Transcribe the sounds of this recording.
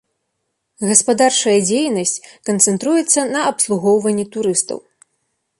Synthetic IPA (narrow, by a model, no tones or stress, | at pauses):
ɣɐspad̪art͡ʂɐjɐd͡zʲejnɐsʲt͡sʲkɐnt̪sɛnt̪ɾujɛt̪sːɐnɐɐpslˠuɣɔwvɐnʲːɛt̪uɾɨst̪ɐ̰w